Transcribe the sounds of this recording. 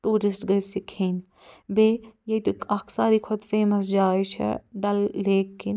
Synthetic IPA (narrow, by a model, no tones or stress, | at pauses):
ʈuːɾɪsʈɡɐjsikʰeːn | beːjet̪ukɐksaːɾiːkʰʊd̪feːmɐsd͡ʒaːit͡ʃʰɛ̰ɖɐlːeːkːin